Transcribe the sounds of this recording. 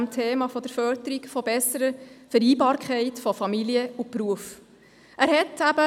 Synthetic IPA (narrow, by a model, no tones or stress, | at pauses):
mt̪ʰeːmɑfɔd̥əɾfœɾdəɾikfɔbɛsəɾəfəɾiːbɑːɾkʰχɛɪtfɔfɑmiliəupɾuəf | ʔæːɾhɛtæbə